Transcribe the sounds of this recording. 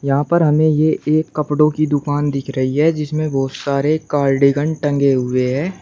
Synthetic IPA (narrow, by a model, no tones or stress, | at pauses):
jɐɦãpɐɾɦɐmẽjeʔeːkːɐpɽõkid̪ʊkaːnd̪ɪkʰɾɐɦiɦɛd͡ʒɪsmẽbɔːt̪saːɾekaːɾɖɪɡə̃ɳɖʈɐ̃ŋɡeɦʊeɦɛ̃ː